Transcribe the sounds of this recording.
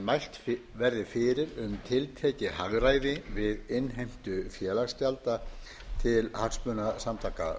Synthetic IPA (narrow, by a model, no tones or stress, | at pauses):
majl̥t̪vɛɾðɪfɪːɾɪɾʏmt̪ʰɪlt̪ʰɛːcɪhaɣɾaːjðɪvɪðɪnɦejm̥t̪ʏfjɛːlast̪jalt̪a | t̪ʰɪlhaksmœːnasamt̪ʰaːka̰